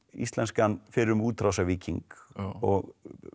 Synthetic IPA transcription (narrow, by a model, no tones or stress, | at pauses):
ḭst̪lɛnskanfɪɾʏmuːt̪ʰɾawsaviːciŋkɔɣ